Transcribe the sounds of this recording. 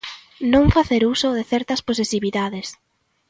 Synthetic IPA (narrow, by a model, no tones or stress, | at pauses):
nõŋfaθeɾusoðɪθɛɾt̪ɐsposesiβiðaðes